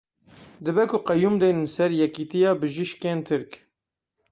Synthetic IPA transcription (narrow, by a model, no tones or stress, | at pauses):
d̪ɨbɛkʰʊqɛjumd̪eːnnsɛɾjɛkiːt̪ijɑːbɨʒiʃkeːnt̪ʰɨɾk